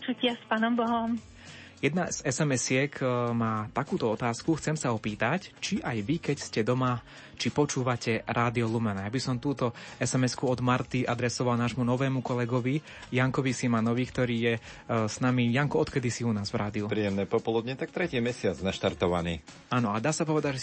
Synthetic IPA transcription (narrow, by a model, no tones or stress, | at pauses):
pɔt͡ʃucɪaspaːnɔmbɔɦɔm | jɛd̪naz̥ɛsɛmɛsɪɛkmaːt̪akuːt̪ɔɔt̪aːskuxt͡sɛmsaɔpiːt̪act͡ʃiʔajʋikɛcscɛd̪ɔma | t͡ʃipɔt͡ʃuːʋacɛɾʔaːd̪iɔlumɛnajabisɔmt̪uːt̪ɔɛsɛmɛskuɔd̪maɾt̪iʔad̪ɾɛsɔʋalnaːʒmunɔʋɛːmukɔlɛɡɔʋi | jaŋkɔʋisimanɔʋiːkt̪ɔɾiːjɛ | snamijaŋkuɔt̪kɛd̪isiunaːzʋɾaːd̪iupɾiːjɛmnɛːpɔpɔlud̪ɲɛt̪ak̚t̪ɾɛciːmɛsɪat͡snaʃt̪aɾt̪ɔʋa̰niː | aːnɔad̪aːsapɔʋɛd̪aɟʒɛ